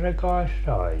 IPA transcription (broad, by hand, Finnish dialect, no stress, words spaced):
se kɑes sɑi